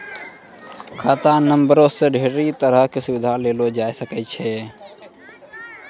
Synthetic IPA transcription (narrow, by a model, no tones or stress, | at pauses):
kʰaːt̪anəmbəɾõsẽɖʱeːɾit̪əɾəɦkesʊbɪd̪ʱaleːlod͡ʒaːesəkɛt͡ʃʰɛː